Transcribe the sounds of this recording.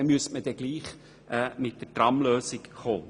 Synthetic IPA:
myəstməd̥ɛɡ̥liːχ | ɛːmɪt̚d̥ətrɑmløːsɪkχoː

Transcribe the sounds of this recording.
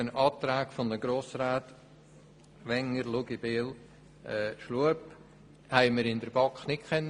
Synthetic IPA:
ənɑːt̪ɾaːɡfɔnd̪əɡɾoːsɾaːt̪ | ʋɛŋəɾluɡibeːl | ʔɛʃluəp | hæɪməɾɪnd̪əɾb̥ɑkχnɪkkʰɛnː

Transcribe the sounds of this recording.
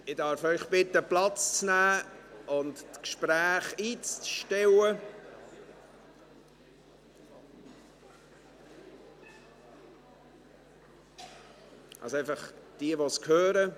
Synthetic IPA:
ɪdɑɾfœʏχb̥ɪtːəplɑt͡st͡snæːʔʊnttkʃpɾæːχiːt͡sʃtɛwə | ʔɑ̰lsoaɪfɑχd̥iəʋoskʰhøːɾə

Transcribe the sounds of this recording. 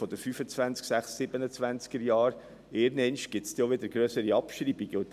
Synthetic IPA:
fɔd̥̪əɾfyːfət͡svænt͡sksæχsːɪbənət͡svænt͡skəɾjɑːɾ | eːɾnɛnʃɡ̥ɪtst̪joʋɪd̪əɾɡɾœsəɾiɑpʃɾiːbiɡəʊt̪

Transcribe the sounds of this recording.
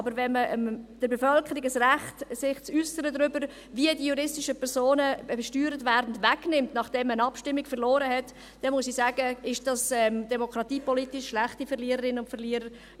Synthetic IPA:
ɑbəɾvɛnməʔmd̥əɾbefœlkʰəɾɪɡəsræχtsɪχt͡sysəɾədɾʏbəɾ | viədijuɾɪstɪʃəpʰɛɾsoːnəʃtyːɾətʋæːɾdn̩dʋæknɪmtnɑχd̥ɛmːənɑpʃtɪmːiɡfəɾlɔːɾəhɛt | d̥ɛnmʊsisæːɡəɪʃd̥ɑsɛmd̥ɛmokʰɾɑtiːpɔlitɪʃːlæχtifɛɾliəɾəɾɪnʊntfɛliəɾəɾ

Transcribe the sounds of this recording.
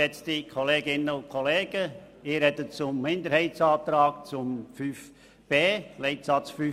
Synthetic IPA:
ɛt͡stikʰɔleːɡɪnəʊnkʰɔleːɡ̥ə | ɪːɾɛdət͡sʊmmɪnd̪əɾhɛɪtt͡sɑːt̪ɾɑːkt͡sʊmfyːf | b̥eːlɛɪtsɑt͡sfy

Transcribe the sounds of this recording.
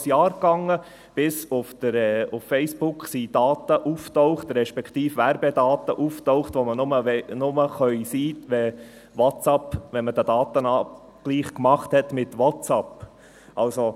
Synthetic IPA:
sjɑːɾkɑŋːə | b̥ɪsʊft̪əɾɛʊffɛɪsb̥ʊkχsid̥ɑːt̪əʔuftɔʊχt̪ɾɛʃpɛkχtiːfʋæɾbɛd̪ɑːt̪əʔuftɔʊχt̪ʋomənʊməʋɛnʊməχœʏsiːtʋɛ | wɑtɑpʋɛnməd̪əd̪ɑːt̪ənɑ | ɡ̥liːχkmɑχthɛt̪mɪtwɑtt͡sɑp | ɑlso

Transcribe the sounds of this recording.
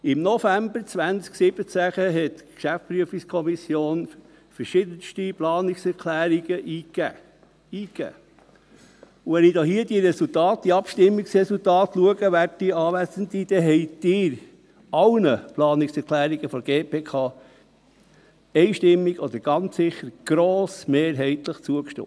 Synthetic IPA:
ɪmnɔfæmbəɾt͡svʋænt͡sksɪb̥ət͡sæχəɦɛtkʃæft͡spɾyəfikskʰɔmisjoːn | fəɾʃɪd̪ənʃtiplɑːnɪksɛɾkʰlæːɾiɡəʔiːkæ | iːkæ̰ː | uʋɛnid̥̪oːɦiəd̥iəɾɛsult̪ɑːt̚d̥iɑpʃtɪmːiksɾɛsultɑːt̪luəɡ̥əʋært̚diɑːʋæsənd̪id̥̪ɛɦɛɪd̥̪ɪːɾ | ɑlnəplɑːnɪksɛɾkʰlæːɾiɡ̥əfɔɡ̥eːpʰeːkʰɑː | ɛɪʃtɪmːiɡ̥ɔd̪əɾɡ̥ɑnt͡ssɪχːəɾɡ̥ɾoːsmeːɾɦɛɪt̪ləχt͡suəkʃtɪ̰ː

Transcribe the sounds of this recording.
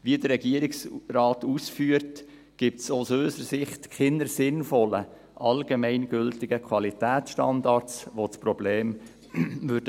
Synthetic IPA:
ʋidəɾɛɡiəɾɪksɾɑːtusfyːəɾt | ɡ̥ip̚tsosøːsəɾsɪχtkɪnəɾsɪnfɔlə | ʔɑlɡemɛɪnɡ̥ʏltɪɡəkʰwɑlitæːt͡sʃtɑndɑɾt͡sʋot͡sprɔbleːm | vʏɾdə

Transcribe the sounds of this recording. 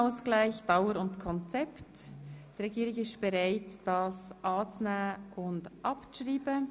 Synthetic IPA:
ʊsɡ̥laɪçd̥ɑʊwəɾʊntkʰɔnt͡sɛptd̥iʁɛɡiːɾɪɡɪstb̥ɛɾaɪtd̥ɑsʔɑːt͡snəʔʊndʔɑpʃʁiːbə

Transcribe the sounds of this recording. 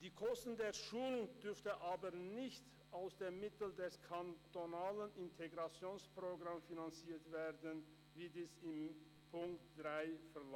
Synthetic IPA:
d̥iːkʰɔstn̩deːɐʃuːlʊŋd̥ʏʁftəʔaːbənɪçt | ʔaʊsd̥eːɐmɪtl̩dɛskʰantonaːlənʔɪntʰeɡʁat͡sjoːnspʁ̥oɡʁamfinant͡siːɐtv̥eːɐdən | viːdiːsɪm | pʰʊŋktd̥ʁaɪfɛl

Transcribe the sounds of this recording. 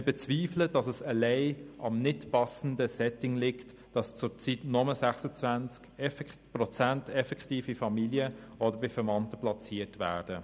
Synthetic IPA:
ɪbɛt͡sviːfləd̥ɑsɛsəlɛɪɑmnɪtpɑsn̩dəsɛtɪŋlɪkt | d̥ɑst͡sʊɾt͡sitnɔməsæχsət͡svænt͡skɛfprɔt͡sæntɛfɛkχtiːfifɑmiljəʔɔdəɾbɪfɛɾmɑntəplɑt͡siːətʋæ̰ːd̥ə

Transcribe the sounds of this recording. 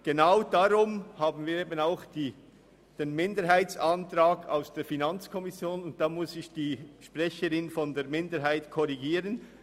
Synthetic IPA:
ɡ̥enaʊd̥aɾʊmhaːbn̩viːɾeːbənaʊxd̥iː | d̥eːnmɪndəɾɦaɪt͡santɾaːɡa̰ʊsd̥eːfinɑnt͡skʰɔmɪsjoːnʊnt̚d̥aːmʊsɪçd̥iːʃpʁɛçəɾɪnfɔndeːɐmɪndəɾɦaɪtkʰɔɾiɡiːɾən

